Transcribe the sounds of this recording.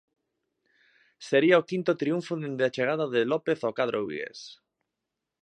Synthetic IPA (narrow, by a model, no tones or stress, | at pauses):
seɾiaokĩnt̪ot̪ɾiuɱfoðend̪eat͡ʃeɣ̞aðaðelɔpeθokaðɾʔowβḭɣḛs